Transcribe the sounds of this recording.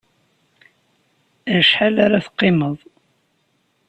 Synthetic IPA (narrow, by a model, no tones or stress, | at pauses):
ʃħalaɾaθqːɪməðˤ